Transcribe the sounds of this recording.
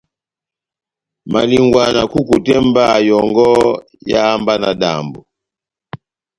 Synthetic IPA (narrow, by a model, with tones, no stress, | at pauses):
ma̰˨li˨ŋɡwa˨na˨ku˦ku˨tɛ˦mba˦˨jɔ˨ŋɡɔ˦ | ja̰˦a˦mba˦na˨ɗa̰˨mbu˨